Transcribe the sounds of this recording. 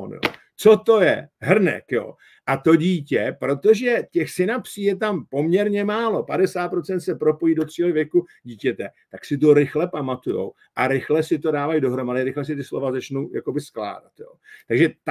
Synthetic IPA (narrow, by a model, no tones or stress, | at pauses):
njo̰ | t͡sot̪o̞jɛɦr̩nɛ̰kjo̰ː | ʔat̪o̞ɟiːcɛpɾo̞t̪o̞ʒɛcɛxsɪnapsiːjɛt̪ampo̞mɲɛɾɲɛmaːlo̞padɛsaːt̪pɾot͡sɛnt̪sɛpɾo̞po̞jiːdot̪r̥iːlɪvjɛkuɟiːcɛt̪ɛt̪aksɪt̪̬oɾɪxlɛpamat̪ujo̞̰w | ʔaɾɪxlɛsɪt̪o̞daːvajdo̞ɦɾo̞madɪɾɪxlɛs̬ɪt̪ɪslo̞̰vazat͡ʃnuja̰kobɪskla̰ːdat̪jo̰ːt̪aɡʒɛt̪